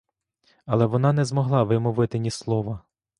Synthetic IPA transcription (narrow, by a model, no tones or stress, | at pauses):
ɐlˠɛʋɔnɑnɛzmɔɦlˠɑʋɪmɔʋɪt̪ɪnʲislˠɔʋɐ